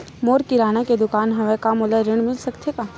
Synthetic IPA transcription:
moːɾkiɾaːnaked̪ʊkaːnɦɐʋekamʊləɾɪɽ̃mɪlsɐkt̪ʰekaː

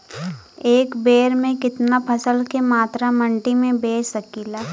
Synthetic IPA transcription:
eːkbeːɾmẽkɪt̪napʰɐsəlkemaːt̪ɾamə̃ɳʈimẽbeːəkiːlaː

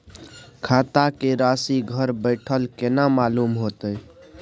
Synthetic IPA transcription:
kʰat̪akeɾasiɡʱəɾbəɪʈʰəlkenamalumɦot̪əj

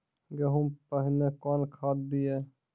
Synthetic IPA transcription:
ɡəɦupəɦɪnekɔnkʰad̪̚d̪ije

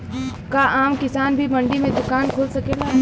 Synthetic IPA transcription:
kaʔaːmkɪsaːnbʱimɐ̃ɳɖimẽd̪ʊkaːnkʰoːlsɐkeːɡa

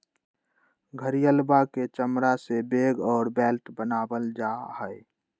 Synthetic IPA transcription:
ɡʱəɾijəlbaket͡ʃəmɾasebeːɡɔːɾbɛːlt̪bənaːbəld͡ʒahəe

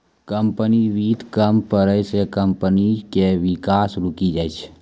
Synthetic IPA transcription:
kəmpəniʋiːt̪kəmpəɾəjsekəmpənikeʋikaːsɾukid͡ʒajt͡ʃʰ

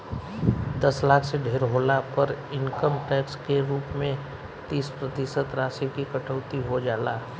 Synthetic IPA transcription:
d̪ɐslaːkʰseɖʱeːɾɦoːlapəɾɪŋkəmʈɛːkskeɾuːpmẽ | t̪iːspɾət̪ɪsət̪ɾaːsikikɐʈʰəːt̪iɦod͡ʒaːlaː

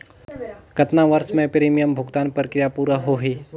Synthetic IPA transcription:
kɐt̪naʋɐɾʃmẽpɾiːmijəmbʱʊɡt̪aːnpɾəkɾɪjapuːɾaɦoɦiː

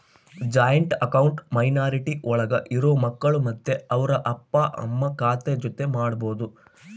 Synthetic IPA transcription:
d͡ʒaːjɐɳʈɐkɐwɳʈmɐjnaːɾiʈiʔɔɭɐɡɐʔiɾoːmɐkːɐɭumɐd̪ːeɐʋɐɾɐʔɐpːɐʔɐ̰mːɐkaːt̪ed͡ʒot̪e̞maːɽɐboːd̪u

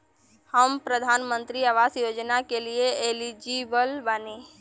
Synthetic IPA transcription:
həmpɾəd̪ʱaːnmə̃nt̪ɾiaʋaːsjoːd͡ʒnakelieelid͡ʒibəlbəneː

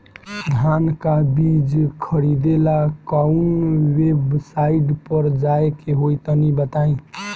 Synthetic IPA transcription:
d̪ʱankabid͡ʒkʰəɾid̪elakəʊnwebsaiɖpəɾd͡ʒaekeɦojt̪ənibət̪aĩ

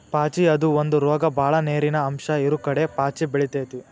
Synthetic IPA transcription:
paːt͡ʃiɐd̪uond̪uɾɔːɡɐbʱaːɭɐneːɾinɐːmʃɐiɾukɐɽe̞paːt͡ʃibeɭit̪eːt̪i

